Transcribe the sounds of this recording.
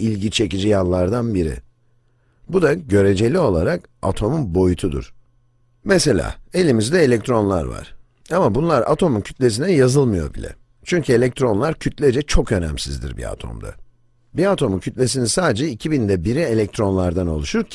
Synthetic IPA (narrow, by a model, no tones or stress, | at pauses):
ilʲɟit͡ʃʰe̞cid͡ʒijalˠːaɾd̪anbiɾḭ | bud̪aɟø̞ɾe̞d͡ʒe̞lʲio̞lˠaɾaka̰t̪ʰo̞munbo̞jut̪ʰud̪ṵɾ̥ | mese̞lʲa̰ːe̞lʲimizd̪ɛelʲɛc̚t̪ʰɾo̞nlˠa̰ɾva̰ɾ̥ | amabunlˠaɾa̰t̪ʰo̞muncʰy̥t̪lʲe̞s̬inɛjazɯlˠmɯjo̞̰bḭlʲɛ̰ | t͡ʃʰyɲcʰye̞lʲɛc̚t̪ɾo̞nlˠaɾcʰyt̪lʲɛd͡ʒɛt͡ʃʰo̞kø̞næ̰msizd̪ḭɾbḭa̰t̪ʰo̞̰md̪a̰ | biat̪ʰo̞muncʰyt̪lʲe̞s̬inisaːd̪ed͡ʒɛicʰibind̪ɛbiɾie̞lʲɛc̚t̪ʰɾo̞nlˠaɾd̪ano̞lˠuʃuɾɾcʰ